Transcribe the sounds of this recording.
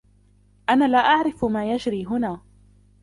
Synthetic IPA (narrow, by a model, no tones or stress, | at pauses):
ʔanaːlaːʔaʕɾɪfmaːjad͡ʒɾiːɦʊnaː